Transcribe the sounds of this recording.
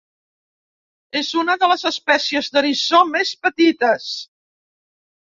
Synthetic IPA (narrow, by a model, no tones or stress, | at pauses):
ezunəðələzəspɛsiəzðəɾisomespət̪it̪əs